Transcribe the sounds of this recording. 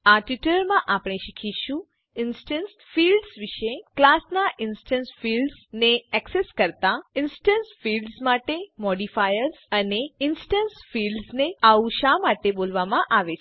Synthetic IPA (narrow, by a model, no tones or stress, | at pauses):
aʈiʈəɾmãʔapɽ̃eʃikʰiʃũ | ɪnsʈəns | filɖsʋiʃeklasnaʔɪnsʈənsfilɖsneɛkseskəɾt̪aɪnsʈənsfilɖzmaʈemɔɖifajəɾzəneɪnsʈənsfilɖsneauʃamaʈebolʋamãʔaʋe